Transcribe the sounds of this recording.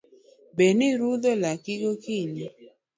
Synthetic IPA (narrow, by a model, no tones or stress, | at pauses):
beniɾuðɔlakɪɡokiɲi